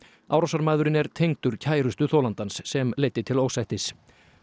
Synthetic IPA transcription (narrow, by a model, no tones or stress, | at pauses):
awɾɔwsaɾmaːðʏɾɪnɛɾt̪ʰejŋt̪ʏɾ̥cʰaːjɾʏst̪ʏθowlant̪ansːɛmleːjt̪ːɪt̪ʰɪloːwsajht̪ɪs